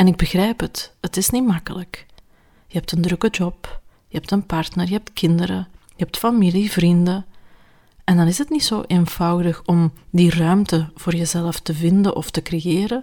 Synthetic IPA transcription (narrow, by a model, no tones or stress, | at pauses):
ɛnɪɡ̚bəɣrɛːjpɦəthətɪsnimɑkələk | jəɦɛp̚təndrɵkəd͡ʒɔp | jəɦɛp̚tənpɑrtnərjəɦɛp̚tkʰɪndəɾə̰jəɦɛp̚tfamilivrində | ɛndɑnɪsətnitsoːʔeːnv̥ɑwdəxɔmdirœɥmtəv̥oːrjəzɛləftəvɪndəʔɔftəkrejɪːɾə